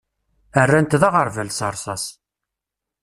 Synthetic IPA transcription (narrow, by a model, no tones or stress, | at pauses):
ərːænt̪ðɑʁəɾˤvælsəɾˤsɑs